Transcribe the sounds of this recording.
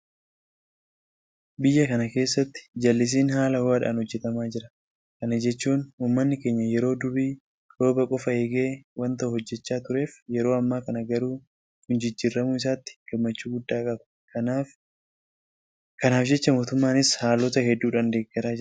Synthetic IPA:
bɪjːɐkɐnɐke̞ːsːɐt̪ːɪ̥d͡ʒɐlːɪs̬iːnhaːlɐwaːᶑa̰ːnhɔd͡ʒːɛt̪ɐmaːd͡ʒɪɾɐ | kɐnɐd͡ʒɛt͡ʃːuːnuːmːɐnːɪke̞ːɲːɐjɛɾo̞ːd̪ʊbiː | ɾo̞ːbɐkʼɔfɐeːɡe̞ːwɐnt̪ɐuhɔd͡ʒːɛt͡ʃːaːt̪ʊɾe̞ːfjɛɾo̞ːɐmːaːkɐnɐɡɐɾuː | kʊnd͡ʒɪd͡ʒːiːɾːɐmʊɪs̬aːt̪ːɪ̥ɡ̥ɐmːɐt͡ʃːuːɡʊd̪ːaːkʼɐbɐ̥ | kɐnaːfd͡ʒɛt͡ʃːɐmo̞ːt̪ʊmːaːnɪshaːlɔt̪ɐhɛd̪ːuːᶑɐnd̪e̞ːɡːɐɾaːd͡ʒɪ

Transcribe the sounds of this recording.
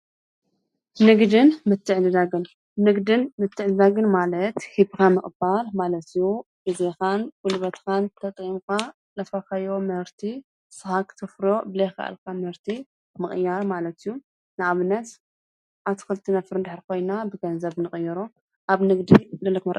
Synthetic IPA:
nɨɡd̪ɨnmɨt̪ʰːɨʕdɨd̪aɡɨn | nɨɡd̪ɨnmɨt̪ʰːɨʕzɨd̪aɡɨnmalɐt̪hibkʰamɨχʼbalmalɐt̪iju | bɨzɐkanwʊlβɐt̪kʰant̪ʰɐt̪ʼimka | lɐfakʰajomhɨɾt̪ʰi | sɨhakʰt̪ʰɨfɾo̞bɨlejxɐ̰ʔa̰lkʰamhɨɾt̪ʰi | mɨχʼɨjaɾmalɐt̪ijːu | nɨʔaβɨnːɐt̪ | ʔaβt̪ʰi̥kɨlt̪ʰːinɐfɨɾɨnd̪ɨħɾikʰo̞jnabɨɡɐnzɐβnɨχʼɨjːɛɾo | ʔaβnɨɡd̪ilɐlːɐkmɐɾʔ

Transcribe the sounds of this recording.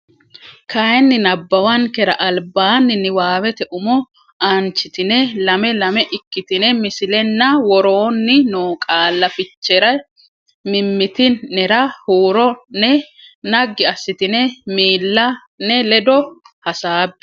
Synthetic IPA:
kʰɐjɛnːɪnɐbːɐwɐŋkɛɾɐʔɐlbaːnːɪnːɪwaːwɛt̪ɛʔʊmɔ | ant͡ʃːɪt̪ɪnɛlɐmɛlɐmɛʔɪkːɪt̪ɪnɛmɪsɪlɛnːɐwɔɾoːnːɪnoːkʼaːlːɐfɪt͡ʃːɛɾɐj | mɪmːɪt̪ɪɛɾɐhuːɾɔnɛ | nɐɡːɪɐsːɪt̪ɪnɛmiːlːɐ | nɛlɛd̪ɔ | hɐsaːbːɛ̥

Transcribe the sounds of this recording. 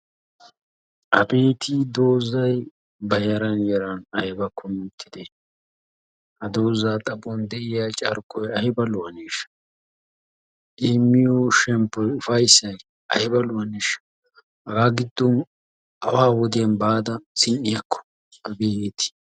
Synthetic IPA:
ʔɐbeːt̪iːd̪o̞ːzɐj | bɐjɐɾɐnjɛɾɐnɐjɪbɐkʰːɔmɪt̪ʰːɪd̪e | hɐd̪oːzaːt̪ʼɐbɔnd̪ɛʔɪjat͡ʃʼɐ̰ɾkɔjɐhɪbɐlʊɐneːʃ | ʔemːɪjɔʃɛmpːɔʊfɐjsːɐj | ɐ̰hɪbɐlʊɐneʃ | hɐɡaːɡɪd̪ːɔn | hɐwaːwɔd̪ɪjɐnbaːd̪ɐsɪnːɪjɐkːɔ̥ | ɐbet̪ɪ̥

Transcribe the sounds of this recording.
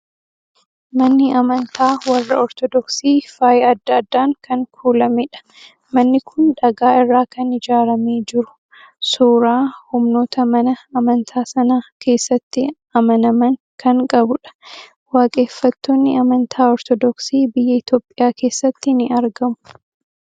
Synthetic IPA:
mɐnːɪɐmɐnt̪ʰaːwɐrːɐɔɾt̪ɔd̪ɔksiːfaːjɐd̪ːaːd̪ːaːŋkɐŋkʰuːlɐmɛᶑɐ̥ | mɐnːɪkʰʊnᶑɐɡaːɪrːaːkɐnɪd͡ʒaːɾɐmeːd͡ʒɪɾʊ̥ | suːɾaːhʊmno̞ːt̪ɐmɐnɐɐmɐnt̪ʰaːsɐnaːkʰe̞ːsːɐt̪ːɪ | ɐmɐnɐmɐŋ | kɐŋkʼɐbʊᶑɐ̥ | waːkʼe̞ːfːɐt̪ːoːnːɪɐmɐnt̪ʰaːɔɾt̪ɔd̪ɔksiːbɪjːɐɪt̪jo̞ːpʼːɪjaːke̞ːsːɐt̪ːɪnɪɐɾɡɐmʊ̥

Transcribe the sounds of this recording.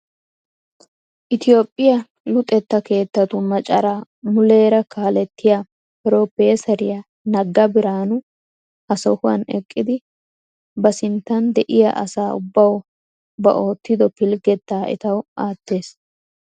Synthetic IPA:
ʔɪt̪ɪjo̞ːpʼːɪjɐ | lʊt̪ʼɛt̪ːɐke̞ːt̪ːɐt̪ʊmɐt͡ʃʼɐɾaː | mʊle̞ːɾɐkaːlɛt̪ːɪja | pɪɾopeːsɐɾɪjɐ | nɐɡːɐbɪɾaːnʊ | ɐsɔhʊɐ̰nɛkʼːɪd̪ɪ | bɐsɪnt̪ːɐnd̪ɛʔɪja̰ʔɐ̰saːʊ̰bːɐw | bɐ̰ʔo̞ːt̪ːɪd̪ɔpɪlɡɛt̪ːaːʔɛ̰t̪ɐwʔaːt̪ːe̞ːs

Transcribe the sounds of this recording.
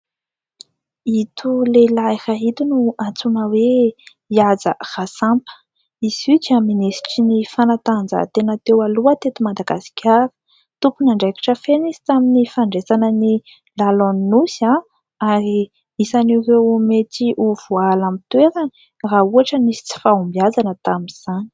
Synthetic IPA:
it̪ʰulelairaɦit̪unuat͡sunəwe | iazə̰r̥asampə̥ | izid͡ʒaminesi̥ʈ͡ʂinifanat̪and͡zə̰t̪enat̪ewaluət̪et̪imad̪aɡasi̥kʲʰaɾi̥ | t̪upunaɳɖ͡ʐeki̥ʈ͡ʂəfeniz̥i̥t̪aminifaɳɖ͡ʐesanəni | lalonnusa | aɾi | misaniwrewmet̪iʔuv̥ualamit̪weɾə | rauaʈ͡ʂənisi̥t͡si̥faumbiazanət̪aminz̥ani̥

